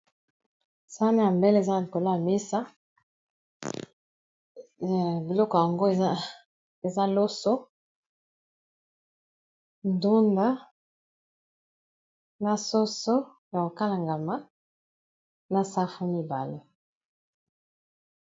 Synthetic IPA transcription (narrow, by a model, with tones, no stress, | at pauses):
sa˦na˦ja˨mbɛ˦le˨za˦˨i˨ko˨la˦a˨mi˦sa˦˨ | bi˨lɔ˦kɔ˨ja˨ŋɡo˦e˨˦ | e˨za˦lo˦so˦ | ndu˦nda˦ | na˨so˦so˦ | ja˨ko˨ka˦la˨ŋɡa˨ma˦ | na˨sa˦fu˦mi˨ba˨le˦